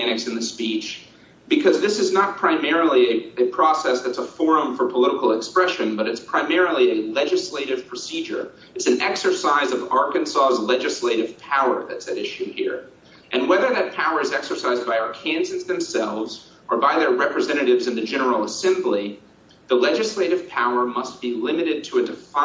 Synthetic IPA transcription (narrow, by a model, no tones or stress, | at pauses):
æñɨksɨ̃nðɨspit͡ʃ | b̥ɨkʰʌzðɪsɨznət̚pʰɹ̥ãɪ̃mɛɹl̩ˠiɨɨpʰɹ̥ɔsɛsðɨtsəfɔɹɨ̃ɱfə˞pʰəlɪɾəkl̩ˠəkspɹɛʃɨ̃nbʌɾɨtspʰɹ̥ãɪmɛɹl̩ˠiɨlɛd͡ʒɨsleɪɾɨv̥pʰɹ̥ɨsid͡ʒə̰˞ | ɨtsn̩ɛksə˞saɪzʌvɑɹkɨ̃nsɔzlɛd͡ʒɨsleɪɾɨv̥pʰaʊə̰˞ðɨtsɨɾɪʃʉhḭɹ | ʔɨ̃nwɛðə˞ðɨt̚pʰaʊə˞ɨzɛksə˞saɪzbaɪaʊə˞kʰæ̃nsɨzðɨ̃msɛlˠvz | ʔə˞baɪðə˞ɹɛpɹɨzɛ̃ɾ̃ɨɾɨvzɨ̃nðɨd͡ʒɛnə˞l̩ˠəsɛ̃mbli | ðəlɛd͡ʒɨsleɪɾɨv̥pʰaʊə˞mʌst̚b̥ilɪ̃mɨɾɨd̚tʰəɨdɨfa